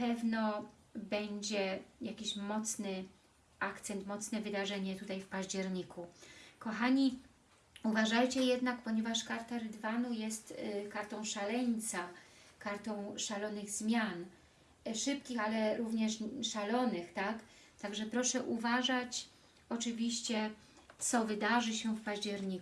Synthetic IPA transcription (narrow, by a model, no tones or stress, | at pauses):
pɛvnɔ | bɛɲd͡ʑɛjakʲiɕmɔt̪snɘ | ʔakt̪sɛnt̪mɔt̪snɛvɘd̪aʐɛɲɛt̪ut̪ajfpaʑd͡ʑɛɾɲikʰukɔxaɲi | uvaʐajt͡ɕɛjɛd̪nakpɔɲevaʂkaɾt̪aɾɘd̪vanujɛst̪kaɾt̪ɔ̃w̃ʂalɛɲt̪sakaɾt̪ɔ̃w̃ʂalɔnɘɣzmʲjan | ʂɘp̚kʲixalɛɾuvɲɛʂʂalɔnɘxt̪ak | t̪aɡʐɛpɾɔʂɛʔuvaʐat͡ɕ | ɔt͡ʂɘvʲiɕt͡ɕɛ | t̪sɔvɘd̪aʐɘɕɛfpaʑd͡ʑɛɾɲik